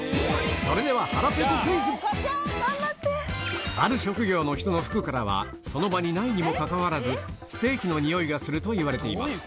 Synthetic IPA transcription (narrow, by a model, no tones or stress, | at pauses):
soɾe̞d̪e̞β̞ahaɾapetɯkiizɨ | aɾɯ̟ɕo̞kɯ̟ɡʲo̞ːno̞çi̥t̪o̞no̞ɸɯ̟̥kɯ̟kaɾaβ̞a̰ | so̞no̞baɲ̟inaiɲ̟imo̞kakaβaɾazɨsɨ̥t̪e̞ːkʲino̞ɲ̟ijo̞iɡasɨɾɯ̟t̪o̞iβaɾe̞t̪e̞ima̰sɨ̥